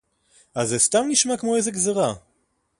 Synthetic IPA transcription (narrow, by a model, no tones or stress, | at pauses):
azestamniʃmakmoejzeɡzeʁa